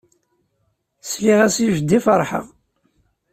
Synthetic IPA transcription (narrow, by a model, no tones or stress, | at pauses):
sliʁæsiʒd̪ːifəɾˤħə̰ʁ